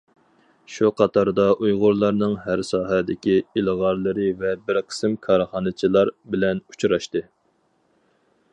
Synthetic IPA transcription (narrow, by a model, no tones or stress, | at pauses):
ʃuqʰɑt̪ʰɑɾd̪ɑʔujʁʊɾlˠɑɾnɨŋhæɾsɑːɦɛd̪ɪkʲiɪlʁɑɾlˠɨɾɨvɛbɪɾqʰə̥sɨmkʰɑɾχɑːnɨt͡ʃʰilˠɑɾbɪlɛnut͡ʃʰɾɑʃt̪ɨ